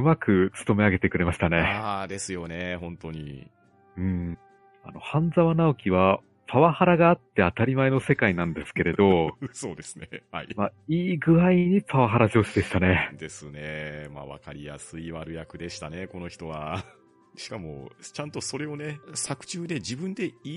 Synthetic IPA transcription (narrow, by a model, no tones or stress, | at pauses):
ɯmakɯ̟t͡sɨ̥t̪o̞me̞aɡe̞t̪e̞kɯ̟ɾe̞maɕi̥t̪ane̞ad̪e̞sɨjo̞ne̞hõ̞nt̪o̞ɲ̟ḭ | ɯ̟̃ɴ | a̰no̞hãnd͡zaβanaokʲiβa | pʰaβahaɾaɡaːt̪ːe̞at̪aɾʲimae̞no̞se̞kainãnd̪e̞sɨ̥ke̞ɾe̞d̪o̞so̞ːd̪e̞sɨ̥nehaimaiːɡɯ̟ɾaiɲ̟ipaβaɦaɾaʑo̞ːɕid̪eɕi̥t̪ane̞d̪e̞sɨnema̰βa̰kaɾʲija̰sɨiβaɾɯ̟jakɯ̟d̪e̞ɕi̥t̪ane̞ko̞no̞çi̥t̪o̞βa | ɕi̥kamo̞̰t͡ɕãnt̪o̞so̞ɾe̞o̞ne̞sakɯ̟̥t͡ɕɨːd̪e̞d͡ʑibɯ̃nd̪e̞i